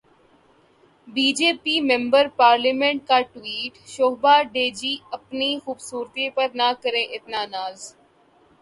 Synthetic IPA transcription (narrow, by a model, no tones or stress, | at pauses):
biːd͡ʒeːpiːmɛ̃mbəɾpaːɾlimɛ̃ɳʈ̚kaʈʋiːʈʃoːɦbaːɖeːd͡ʒiːɐpnixuːbsuːɾt̪iepəɾnakəɾẽʔɪt̪nanaːz